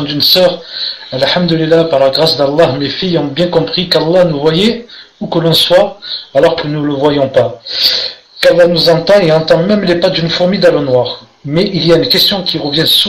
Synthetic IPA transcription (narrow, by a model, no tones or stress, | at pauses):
d̪ynsœʁalħamd̪əlilːapaʁlaɡʁasd̪alˠˤːɑɦmefijɔ̃bjɛ̃kɔ̃pχikalˠːɑnuvwajɛukəlɔ̃swaalɔʁkənuləvwajɔ̃pa | kalˠˤːɑnuzɑ̃t̪ɑ̃eɑ̃t̪ɑ̃mɛmlepad̪ynfuʁmid̪alonwaːʁ | mɛʔilijaynkɛst̪jɔ̃kʲʰiʁəvjɛ̃su